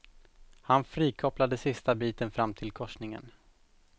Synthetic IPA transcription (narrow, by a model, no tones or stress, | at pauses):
hanfɾiːkʰɔplad̪əsɪst̪abiːt̪ənfɾamt̪ʰɪlkʰɔʂnɪŋə̰n